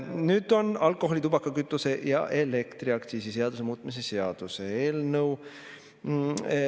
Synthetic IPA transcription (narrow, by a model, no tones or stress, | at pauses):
nyːd̪̥o̞nɑlkˑo̞ɦolit̪ub̥ɑkːˑɑkyt̪ːˑuse̞jɑ̰ʔele̞kt̪ɾiɑk̚t̪siːsise̞ɑd̪̥use̞muːt̪mis̬e̞se̞ɑd̪̥useeːlnɤw